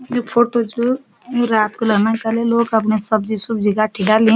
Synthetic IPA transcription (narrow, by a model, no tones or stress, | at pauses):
jopʰoːʈod͡ʒo | joɾaːt̪kolɐɡnakəleloːɡɐp̬nesɐbd͡ʒisʊbd͡ʒiɡaʈʰiɖaliẽ